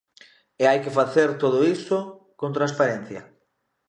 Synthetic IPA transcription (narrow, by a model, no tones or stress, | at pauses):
eajkefaθeɾt̪oð̞oiso | kõnt̪ɾanspaɾenθjɐ̰